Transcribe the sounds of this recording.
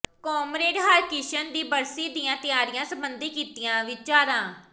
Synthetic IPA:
kɔːmɾeːɖɦaːɾkɪʃənd̪iːbəɾsiːd̪ijãːt̪ɪjaːɾɪjãːsəmbənd̪iːkiːt̪ɪjãːʋɪt͡ʃaːɾãː

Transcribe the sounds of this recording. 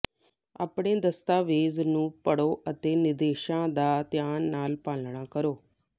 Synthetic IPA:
a̰ːpɳeːd̪əst̪aːʋeːznũːpəɽoːʔət̪eːnɪd̪eːʃãːd̪aːt̪jaːnːaːlpaːlɳaːkəɾoː

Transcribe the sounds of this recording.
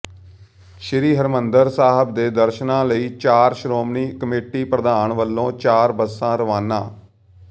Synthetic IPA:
ʃɪɾiːɦəɾmənd̪əɾsaːɦəb̚d̪eːd̪əɾʃnãːləiːt͡ʃaːɾʃɾoːmniːkəmeːʈiːpɾəd̪aːəɳʋəlːõːt͡ʃaːɾbəsãːɾəʋaːnã̰ː

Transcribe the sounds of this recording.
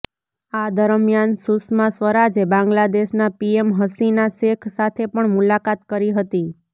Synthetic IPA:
ad̪əɾmjansusmasʋəɾad͡ʒebãŋɡlad̪eʃnapiemɦəsinaʃekʰsat̪ʰepəɳmulakat̪kəɾiɦət̪i

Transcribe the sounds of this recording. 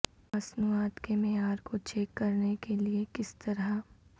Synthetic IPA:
mɐsnuaːt̪kemeaːɾkot͡ʃɛːkːɐɾnekeliekɪst̪ɐɾa

